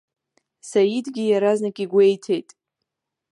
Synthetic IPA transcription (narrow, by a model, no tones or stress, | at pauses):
sajidɡʲijaɾaznakʲʼiɡʷe̞jtʰe̞jtʼ